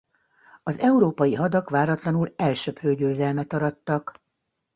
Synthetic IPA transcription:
ɒzɛuɾoːpɒjiɦɒd̪ɒkʋaːɾɒt̪lɒnulɛlʃøprøːɟøːzɛlmɛt̪ɒɾɒt̪ːɒk

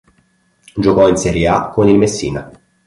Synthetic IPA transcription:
d͡ʒokɔinsɛɾjeakːonilmesːḭːna

